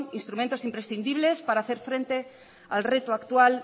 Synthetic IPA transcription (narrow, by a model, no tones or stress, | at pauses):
ŋinst̪ɾumẽnt̪o̞simpɾesθind̪iβ̞lespaɾaːθe̞ɾfɾẽnt̪e̞ | a̰lret̪oakt̪ual